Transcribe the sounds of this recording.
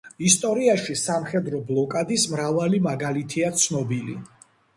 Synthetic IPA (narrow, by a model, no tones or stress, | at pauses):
ist̪ʼɔɾiaʃisamχɛd̪ɾɔblˠɔkʼad̪ismɾavalimaɡalit̪ʰiat̪sʰnɔbilḭ